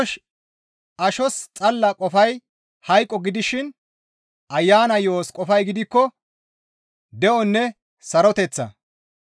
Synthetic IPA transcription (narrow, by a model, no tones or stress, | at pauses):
ʃ | ʔɐʃɔst͡sʼɐlːɐkʼɔfɐj | hɐjkʼːɔɡɪd̪ɪʃɪn | ʔɐjːaːnɐjoːskʼɔfɐjɡɪd̪ɪkːɔ | d̪ɛʔɔnːɛ | sɐɾɔt̪ɛt͡sːɐ̰